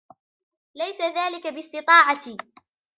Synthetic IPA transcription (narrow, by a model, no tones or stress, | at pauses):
lajsaðaːlɪkabɪst̪ɪt̪ˤɑːʕat̪i